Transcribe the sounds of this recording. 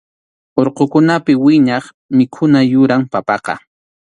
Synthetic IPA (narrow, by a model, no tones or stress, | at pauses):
oɾqokʊnapɪwɪɲɑχ | mɪkʰʊnajʊɾaŋpapɑqɑ̰